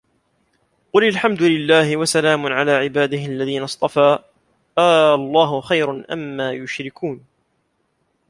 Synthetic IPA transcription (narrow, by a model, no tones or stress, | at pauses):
qʊlalħamd̪ʊlɪlːaːhɪwasalaːmʊʕalaːʕɪbaːd̪ɪhɪʔalːaðiːnɑsˤt̪ˤɑfaː | ʔaːɑlˤːɑːɦʊxajɾnʔa̰mːaːjʊʃɾɪkuːn